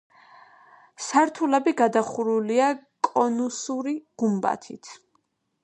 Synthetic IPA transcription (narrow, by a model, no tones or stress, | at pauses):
saɾt̪ʰulɛbiɡad̪aχuɾuliakʼɔnusuɾiɡ̥umba̰t̪ʰḭt̪ʰ